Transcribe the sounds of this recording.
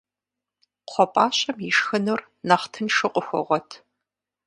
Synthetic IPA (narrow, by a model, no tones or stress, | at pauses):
qʷʰɔpʼaːɕʼɐmɪʂxɨnur | nɐχtʰɨnʃɨqʷʼʊxʷɔ̰ʁʷɔtʰ